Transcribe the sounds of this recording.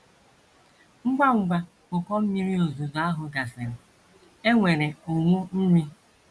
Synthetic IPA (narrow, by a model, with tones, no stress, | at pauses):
ŋ͡m̩˦ɡ͡ba˦ŋ͡m̩˨ɡ͡ba˦ | kʊ˨kɔ˦m̩˦mi˦ɾi˦o˨zu˨za˦ɦʊ˨ɡa˨sɪ˨ɾɪ˨ | e˦ŋʷe˨ɾe˨o˨ŋʷu˦m̩˦mi˦